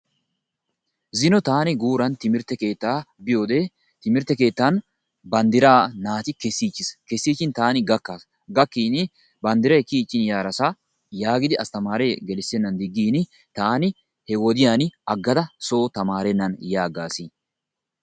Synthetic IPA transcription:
zɪnɔt̪aːnɪɡuːɾɐnt̪ɪmɪɾt̪ːɛke̞ːt̪ːaːbɪjo̞ːd̪e̞ː | t̪ɪmɪɾt̪ːɛke̞ːt̪ːan | bɐnd̪ɪɾaːnaːt̪ɪkɛsːiːt͡ʃːɪskɛsːiːt͡ʃːɪnt̪aːnɪɡɐkːaːs | ɡɐkːiːnɪ | bɐnd̪ɪɾɐjkiːt͡ʃʼːɪnjaːɾɐsɐ | jaːɡɪd̪ɪɐst̪ɐmaːɾeːɡɛlɪsːɛnːɐnd̪ɪɡːiːnɪ | t̪aːnɪ | hɛwɔd̪ɪjaːnɐɡːɐd̪ɐso̞ːt̪ɐmaːɾɛnːɐnjaːɡaːsiː

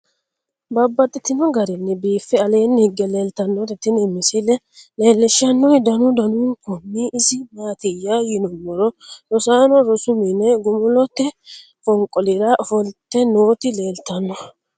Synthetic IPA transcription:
bɐbːɐt̪ʼːɪt̪ːɪnɔɡɐɾɪnːɛbiːfːɛɐle̞ːnːhɪɡːɛle̞ːlt̪ɐnːɔɾɛt̪ɪnɪmːɪsɪlɛ | le̞ːlːɪʃːɐnːɔjd̪ɐnʊd̪ɐnuːnkɔmːiɪsɪmaːt̪ɪjːajɪnɔmːɔɾɔɾɔsaːnɔɾɔsʊmɪnɛɡʊmʊlɔt̪ːɛ | kɔŋkʼːɔlɪɾɐhɔlt̪ːɛnoːt̪ɪle̞ːlt̪ɐnːɔ

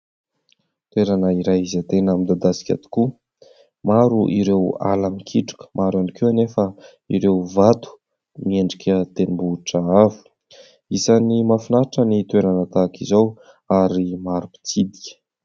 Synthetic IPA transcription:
t̪weɾanəiɾajizat̪enamid̪ad̪asi̥kʲa̰t̪i̥ku | maɾuʔiɾewa̰lamikʰiʈ͡ʂu̥kə̥mʔaɾanikeanefə | iɾewvat̪u̥ | mieɳɖ͡ʐikʲət̪enimbuʈ͡ʂaavu̥ | izanimafinaʈ͡ʂənit̪weɾanət̪akizaw | aɾimaɾupi̥t͡sid̪i̥kʲə̥

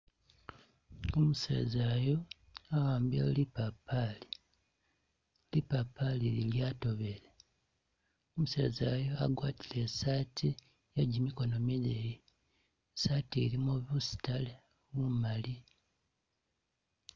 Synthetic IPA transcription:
omusḛːzajo̞ | awaːmbialipapːali | lipapːalililjaːto̞βele | omuse̞̰ːzaːjo̞a̰ɡwaːti̥le̞saːtʰi | jaɟimiko̞no̞mile | saːteɾimoβusi̥tale | βumali

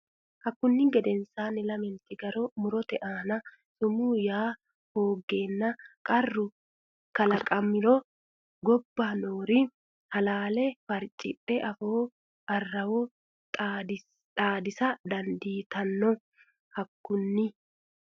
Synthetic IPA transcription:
hɐkːʊnːɪɡɛd̪ɛnsaːnɪlɐmɛnt̪ɪɡɐɾomʊɾɔt̪ɛʔaːnɐ | sʊmuːjaː | hoːɡe̞ːnːɐkʼɐrːʊ | kɐlɐkʼɐmːɪɾɔ | ɡɔbːaːnoːɾɪ | hɐlaːlɛfɐɾt͡ʃʼɪpʼːɛʔɐfoː | ʔɐrːɐwɔ | aːd̪ɪsɐd̪ɐnd̪iːt̪ɐnːɔ | hɐkːʊnːɪ

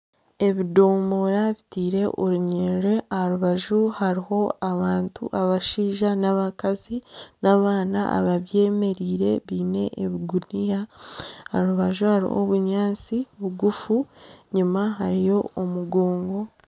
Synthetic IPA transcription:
e̞βido̞ːmbo̞ɾaβitiːɾe̞ʔuɾuɲeːɾe̞ahaɾuβaʒuhaɾiho̞aβaːntṵʔaβaʃiːʒanaβakazinaβaːnaa̰βaβje̞ːme̞ɾiːɾe̞̰βiːne̞̰ʔeβiɡunija | aɾuβaʒuhaɾḭho̰βuɲaːnt͡siβuɡufuɲimaɦaɾijo̞omuɡo̞ːŋɡo̞

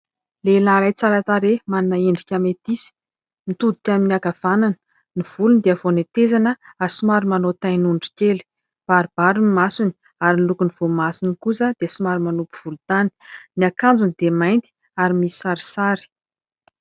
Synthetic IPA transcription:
lelaɾajt͡saɾat̪aɾemaninaeɳɖ͡ʐikʲamet̪isi̥ | nit̪ud̪u̥t̪ʲaminiaɡav̥ananə̥ | niv̥ulund̪eavonet̪ezanəasumaɾumanot̪ajnuɳɖ͡ʐi̥kʲeli̥ | b̥aɾib̥aɾinimasuni̥ | aɾinilukuniv̥omasunikusəd̪̥easimaɾimanupu̥v̥ulut̪ani̥niakand͡zunid̪emajnt̪i̥ | aɾimisi̥saɾi̥saɾi̥

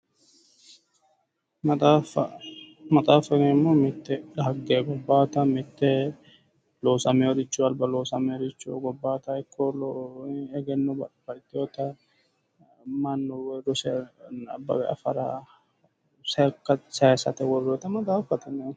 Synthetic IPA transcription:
ɐafɐmɐt̪ʼaːfɐɡɛmːomɪt̪ːɛlɐhɐɡːeɡɔbːaːt̪ɐmɪt̪ːɛ | loːsɐmɛɔɾɪt͡ʃːʊɐlbɐloːsɐmɛɔɾɪt͡ʃːuɡɔbːaːt̪ɐɪkːɔl | ɛɡɛnːɔbɐb̥ɐɾt̪ːɪjot̪ɐ | mɐnːʊwɾʊsɛɐ̰bːɐ̰wɛɐ̰fɐɾa | sɐkːɐsɐjsɐ̰t̪ɛwɔrot̪ɐmɐt̪ʼaːfɐt̪ɐne

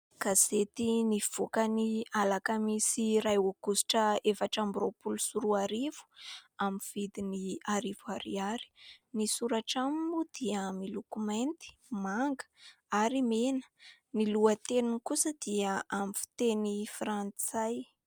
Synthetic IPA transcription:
kazet̪iniv̥okənialakəmisiɾajokusi̥ʈ͡ʂəefaʈ͡ʂambiɾopulusuɾuaɾiv̥u̥amiv̥id̪iniaɾivuaɾḭaɾi̥nisuɾaʈ͡ʂamimud̪̥iəmilokument̪i̥maŋɡə̥ | aɾimenə̥ | niluət̪enunkusəd̪̥iəʔamifi̥t̪enifrant͡saj

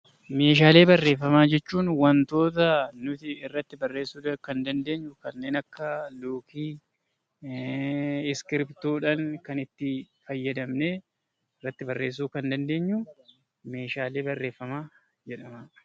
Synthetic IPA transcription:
me̞ːʃ̬aːle̞ːbɐrːe̞ːfːɐmaːd͡ʒɛt͡ʃːuːnwɐnt̪o̞ːt̪ɐnʊt̪ɪɪrːɐt̪ːɪbɐrːe̞ːsːuːkɐnd̪ɐnd̪e̞ːɲːʊkɐnːe̞ːnɐkːɐloːkiː | ɪskɪɾpt̪uːᶑɐŋkɐnɪt̪ːɪ | fɐjːɐd̪ɐmneː | ɪrːɐt̪ːɪbɐrːe̞ːs̬ːuːkɐnd̪ɐnd̪e̞ːɲːʊ | me̞ːʃaːle̞ːbɐrːe̞ːfːɐmaː | d͡ʒɛᶑɐmɐ

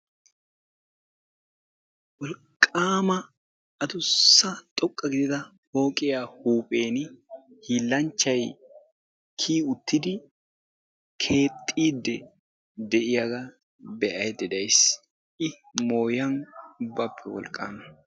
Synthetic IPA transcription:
wɔlkʼːaːmɐː | d̪ʊsːɐt̪ʼɔkʼːɐɡɪd̪ɪt̪ɐ | ho̞ːkʼɪjahuːpʼe̞ːnhiːlːɐnt͡ʃːɐj | kʰiːʊt̪ːɪd̪ɪ | kʰe̞ːt̪ʼːiːd̪ːɛ | d̪ɛʔɪjɐɡɐ | bɛʔɐjd̪ɛd̪ɐjs | ɪ | mo̞ːjɐnbɐpʰːɛwɔ̰lkʼːa̰ːmɐ

